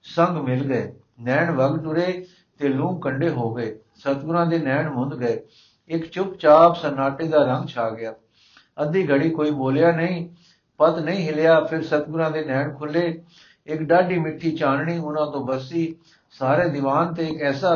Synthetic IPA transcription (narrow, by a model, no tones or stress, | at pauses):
səŋɡmɪlɡəeː | nɛːɳʋəɡʈʊɾeː | t̪eːlũːŋɡkəɳɖeːɦoːɡəeː | sət̪ɡʊɾãːd̪eːnɛːɳmʊ̃nd̪ɡəeː | ɪkt͡ʃʊpt͡ʃaːpsənaːʈeːd̪aːɾə̃ŋɡt͡ʃʰaːɡɪjaː | əd̪iːɡəɽiːkoːiːboːljaːnəĩː | pət̪nəĩːɦɪljaːpʰɪɾsət̪ɡʊɾãːd̪eːnɛːɳkʰʊlːeː | ɪkɖaːɖiːmɪʈʰːiːt͡ʃaːnɳiːʊnãːt̪õːbəsiː | saːɾeːd̪ɪʋaːnt̪eːɪkɛːsaː